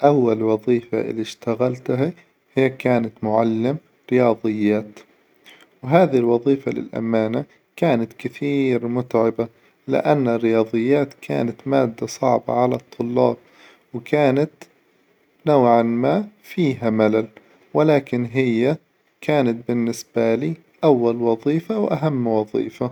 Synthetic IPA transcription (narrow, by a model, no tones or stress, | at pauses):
ʔawːalwɑðˤiːfa̰ʔɪ̰lːiʃt̪aɣalt̪ɦa | hɪjːakaːnat̪mʊʕalːɪm | ɾɪjɑːðˤɨjːaːt̪ | wɦaːðilwɑðˤiːfalɪ̰lʔa̰maːna | kaːnat̪kɪθiːɾmʊt̪ʕɪba | lɪ̰ʔanːɪrːɪjɑːðˤɨjːaːt̪kʰa̰ːnat̪maːd̪ːasˤɑʕba̰ʕalat̪ˤʰːʊlːɑ̰ːb̚ | wkʰaːnat̪ | nawʕanmaːfiːɦamalal | wɪlaːkɪnɦɪjːa | kʰaːnat̪̚bɪnːɪsb̥aliː | ʔawːalwɑðˤiːfawʔaɦamːwɑðˤḭːfa